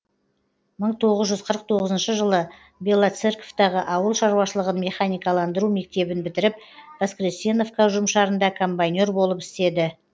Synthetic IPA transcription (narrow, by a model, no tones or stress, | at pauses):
məɴt̪ʰo̞ʁəzʒʏzqʰəɾəq̚t̪ʰo̞ʁəzənʃəʒəlˠə | bʲe̞lˠat̪se̞rkoft̪ɑʁəʔɑwəlˠʃɑɾuwɑʃəlˠəʁənmʲe̞χanʲijkɑlˠɑnd̪əɾume̞k̚t̪e̞bɪnbɪt̪ɪɾɪp̚baskrʲest̪ino̞vkaʒʊmʃɑɾənd̪ɑkʰompajnʲe̞ɾbo̞lˠəpɪ̥st̪e̞d̪ɪ